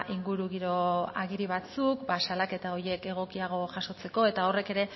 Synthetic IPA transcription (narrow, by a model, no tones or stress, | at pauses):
ʔiŋɡuɾuɣiɾo̞a̰ɣiɾiβ̞at͡sukbasalake̞t̪ao̞ɾje̞ke̞ɣ̞o̞kiaɣ̞o̞ʝaʃo̞t͡se̞ko̞e̞t̪ao̞re̞ke̞ɾe̞